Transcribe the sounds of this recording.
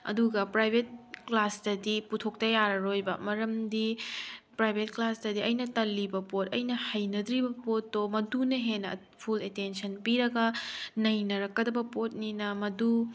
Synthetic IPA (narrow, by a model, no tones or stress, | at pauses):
ɐ̰duɡɐpɾajbʱet̚klasdɐdiputʰok̚tɐjaɾɐɾojbɐmɐɾɐmdipɾajbʱet̚klasdɐdiɐjnɐtɐlːibɐpotɐ̰jnɐhɐjnɐd̪ɾibɐpotːomɐdunɐɦenːɐ | pʰuletensɐnpiɾɐɡɐnɐjnɐɾɐkːɐdɐbɐpot̚ninɐmɐdu